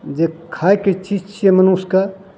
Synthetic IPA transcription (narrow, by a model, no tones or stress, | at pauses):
d͡ʒekʰajket͡ʃʰit͡ʃʰemənuska